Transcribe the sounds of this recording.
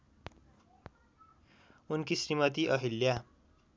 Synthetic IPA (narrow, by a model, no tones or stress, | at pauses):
unkisrimʌt̪iʔʌɦilja